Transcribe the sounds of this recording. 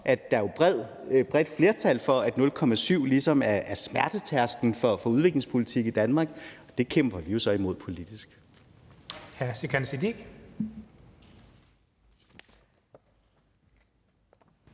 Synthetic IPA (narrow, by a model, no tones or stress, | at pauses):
ʔædd̥ɑ̈job̥ð̰ˠ | b̥ʁɛd̥fle̝ɐt͡sʰælfɒ̽æd̥nɔ̽lkʰɒ̽mæsyʊ̰lisɒ̽mæɐæɐsmæɐd̥ət͡sʰæɐsɡ̥n̩fɒ̽fɒ̽uð̞ˠʋe̝ɡ̥le̝ŋspʰo̝lit͡sʰiɡ̥id̥ænmɑ̈ːɡ̥ɒ̽d̥e̝kʰem̰b̥ɐʋijo̝sɒ̽imo̝ð̞̰ˠpʰo̝lid̥isɡ̥ | hæɐsekʰænsid̥iɡ̥